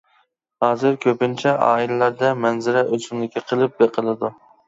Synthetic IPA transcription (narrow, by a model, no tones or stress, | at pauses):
hɑːzɨɾkʲʰøpɪnt͡ʃʰɛɑ̰ːilɛlæɾd̪ɛmɛnzɪɾɛʔøt͡ʃɪŋlˠɪkʲʰːiqʰəlˠɨp̚beqʰəlˠɨd̪u